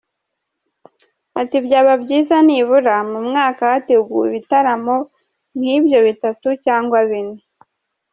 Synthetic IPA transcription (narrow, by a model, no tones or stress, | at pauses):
atibjaːβabɟiːzaniːβuɾamumŋaːkahateɡuːiβitaɾamo̞ | n̥hiːbjo̞βitatucaːŋɡwaβine